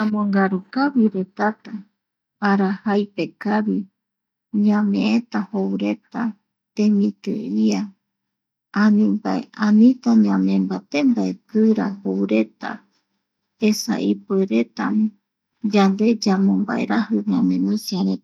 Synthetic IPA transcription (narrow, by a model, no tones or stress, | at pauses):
amõŋɡaɾukaβiɾe̞t̪at̪a | aɾahajpe̞kaβi | ɲãmẽ̞ẽt̪ahowɾe̞t̪a | t̪emĩt̪ɨ̰ia | anĩmba̰ḛãnĩt̪aɲãmẽmbat̪embaepɨɾahowɾe̞t̪a̰ | esa̰ʔipɨɾe̞t̪am̃ | d͡ʒand̪e̞d͡ʒamõmba̰ḛɾahɨɲãmẽnũsiaɾe